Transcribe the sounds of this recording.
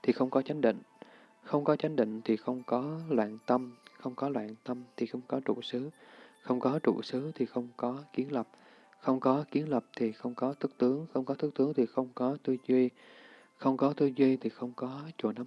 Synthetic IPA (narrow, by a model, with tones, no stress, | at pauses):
t̪ʰi˨˩xə˧wŋ͡mkɔ˨˦t͡ɕa˨˦jŋ̟ɗḭ˧˨ŋ̟ | xə˧wŋ͡mkɔ˨˦t͡ɕa˨˦jŋ̟ɗḭ˧˨ŋ̟t̪ʰi˨˩xə˧wŋ͡mkɔ˨˦lwa̰ː˧˨nt̪ə˧mxə˧wŋ͡mkɔ˨˦lwa̰ː˧˨nt̪ə˧mt̪ʰi˨˩xə˧wŋ͡mkɔ˨˦t͡ɕṵ˧˩sɨ˨˦xə˧wŋ͡mkɔ˨˦t͡ɕṵ˧˩sɨ˨˦t̪ʰi˨˩xə˧wŋ͡mkɔ˨˦ki˨˦ənlə˨˩p̚ | xə˧wŋ͡mkɔ˨˦ki˨˦ənlə˨˩p̚t̪ʰi˨˩xə˧wŋ͡mkɔ˨˦t̪ʰɨ˦˥k̚t̪ɨ˨˦əŋxə˧wŋ͡mkɔ˨˦t̪ʰɨ˦˥k̚t̪ɨ˨˦əŋt̪ʰi˨˩xə˧wŋ͡mkɔ˨˦t̪ɨ˧zwi˧ | xə˧wŋ͡mkɔ˨˦t̪ɨ˧zwi˧t̪ʰi˨˩xə˧wŋ͡mkɔ˨˦t͡ɕṵ˧˩˨na˨˦